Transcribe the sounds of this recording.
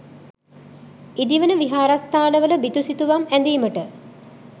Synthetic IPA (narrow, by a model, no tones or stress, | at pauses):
id̪iʋənəʋiɦaːɾast̪ʰaːnəʋələbit̪usit̪uʋamænd̪iːməʈə